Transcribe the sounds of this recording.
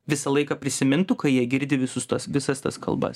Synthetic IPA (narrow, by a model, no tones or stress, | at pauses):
ʋʲɪsɐlˠɐɪkɐpʲɾʲɪsʲɪmʲɪnt̪ʊkɐjiɛɡʲɪɾʲd̪ʲɪʋʲɪsʊst̪uɔsʋʲɪsɐst̪ɐskʰɐ̰lˠbɐ̰s